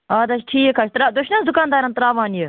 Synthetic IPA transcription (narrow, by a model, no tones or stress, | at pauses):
aːd̪ɐt͡ʃʈʰiːekʰat͡ʃt̪ɾaːd̪ʊʃnɐsd̪ʊkaːnd̪aːɾɐnt̪ɾaːʋaːnje